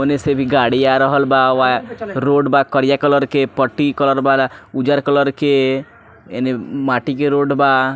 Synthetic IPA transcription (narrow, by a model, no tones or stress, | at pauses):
onesebʱiɡaɽijaɾɔɦɔlbaʋaɾoɖbakɔɾjakɔlɔɾkepɔʈːikɔlɔɾbalaud͡ʒaɾkɔlɔɾke | ḛnemaʈikeɾoɖba